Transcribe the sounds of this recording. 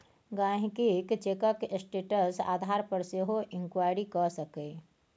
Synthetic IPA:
ɡãɦkikt͡ʃekəksʈeʈəsa̰ːd̪ʱaɾpəɾseɦoʔɪŋkwaɪɾikɔsəke

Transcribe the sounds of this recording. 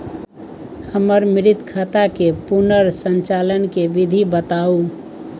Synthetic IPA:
həməɾmiɾit̪kʰat̪akepunəɾsənt͡ʃalənkebid̪ʱibət̪au

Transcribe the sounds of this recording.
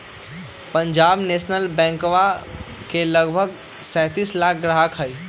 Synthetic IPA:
pəɲd͡ʒaːbnesnəlbɛ̃ːŋkʋakeləɡbʱəɡ | sɛ̃ːt̪iːslaːk̚ʰɡɾaɦakʰɦəi

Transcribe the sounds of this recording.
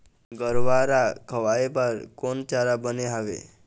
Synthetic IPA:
ɡəɾʋaɾakʰəʋaebəɾkont͡ʃaɾabəneɦaʋḛ

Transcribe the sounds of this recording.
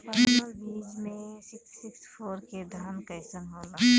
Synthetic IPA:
pibiːd͡ʒmẽsɪksɪkspʰoːɾked̪ʱaːnkɐɪsənɦõːbiː

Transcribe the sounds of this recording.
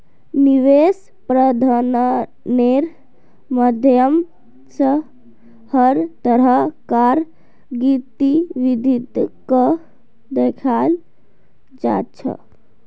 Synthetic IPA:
niʋes | pɾəd̪ʱan | neɾ | məd̪ʱjjəm | sə | həɾt̪əɾəkaɾ | ɡit̪iʋid̪ʱit̪kə | d̪ekʰal | d͡ʒa̰t͡ʃʰə̰

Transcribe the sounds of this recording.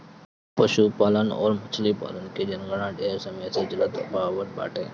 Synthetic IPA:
pəʃuːpaːlənɔ̰ːɾmʊt͡ʃʰlipa̰ːlənkeːd͡ʒənɡəɽãːɖeːɾsəmeːseːd͡ʒələt̪paːʋəɾba̰ːʈeː

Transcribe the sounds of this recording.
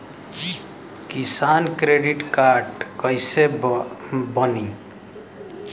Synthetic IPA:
d͡ʒi | kisankɾeɖiʈkaɾɖkəjse | bəni

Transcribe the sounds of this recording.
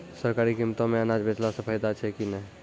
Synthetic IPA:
səɾkaːɾikimt̪õmẽənad͡ʒbet͡ʃlasə̃pʰəɪd̪at͡ʃʰɛkinə

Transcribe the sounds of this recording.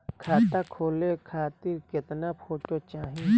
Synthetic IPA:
kʰaːt̪akʰoːlekʰaːt̪ɪɾkɪt̪napʰoːʈot͡ʃaːɦi

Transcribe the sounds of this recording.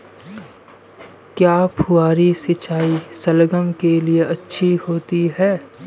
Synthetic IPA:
kjaːpʰuaːɾisɪt͡ʃaːisɐlɡəmkelieɐtːʃʰihoːt̪iɦɛː

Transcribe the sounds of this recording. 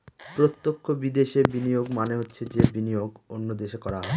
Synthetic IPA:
pɾot̪ːokʰːobid̪eʃeɾbinijoɡmaneɦotːɕʰed͡ʑebinijoɡonːod̪eʃekɔɾaɦɔe

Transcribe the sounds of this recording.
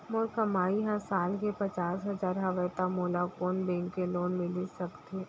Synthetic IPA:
mʊːɾkɐmaːiɦãsaːlkepɐt͡ʃaːsɦɐzaːɾɦaʋɛt̪amoːlakoːnbɛ̃ːŋkːeloːnmɪlisɐkt̪e

